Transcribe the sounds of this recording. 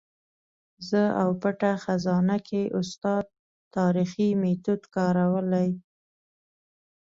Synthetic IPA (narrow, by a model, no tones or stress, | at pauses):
zəawpəʈaxazɑnakʰeʔʊst̪ɑd̪̚ | t̪ːɑɾiximet̪ud̪kɑɾawəlaj